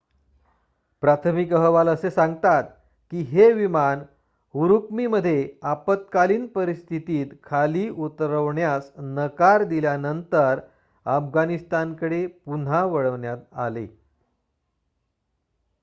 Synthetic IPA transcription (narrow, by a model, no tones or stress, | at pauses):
pɾat̪ʰəmikəɦəʋaləsesãŋɡt̪at̪̚ | kiːɦeʋiman | uɾukmiməd̪ʱːjeapət̪̚kaliːnpəɾist̪ʰit̪iːt̪kʰaliːʔut̪ɾəʋɳjasnəkaɾd̪iljanənt̪əɾ | əfɡanist̪ankəɽepun̤aʋəɭəʋɳjat̪a̰lḛ